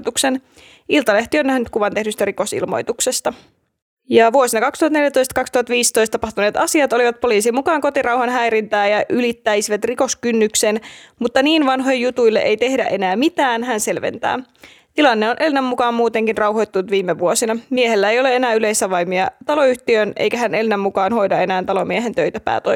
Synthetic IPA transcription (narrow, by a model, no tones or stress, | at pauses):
t̪uksen | ilt̪ɑle̞ht̪ionːæhnyt̪̚kuʋɑnt̪e̞ɦnyst̪æɾikosḭlmo̞̰jt̪ukse̞st̪ɑ | jɑʋuosinɑkɑkst̪uhɑt̪neljæt̪o̞jst̪ɑkɑkst̪uhɑt̪ʋiːst̪o̞jst̪ɑpɑht̪uneːt̪ɑsiɑt̪oliʋɑt̪̚po̞liːsimukɑːŋko̞t̪irɑwhɑnɦæjɾint̪æːjɑʔylit̪ːæjsiʋæt̪riko̞skynːyksenmut̪ːɑniːnʋɑnɦo̞jjut̪ujlːeʔejt̪e̞hdæ̰ʔe̞næːmit̪æːnɦænse̞lʋḛnt̪æ̰ː | t̪ilɑnːe̞onʔe̞lnæmːukɑːmmuːt̪e̞ŋkinrɑwɦo̞jt̪ːunut̪ʋiːmːeʋuosinɑmieɦelːæejo̞lee̞næːyle̞jsæʋɑjmiɑt̪ɑlo̞yht̪iønʔḛjkæɦæne̞lnæmːukɑːnho̞jdɑe̞næːnt̪ɑlomieɦent̪øjt̪æpæ̰ːt̪o̰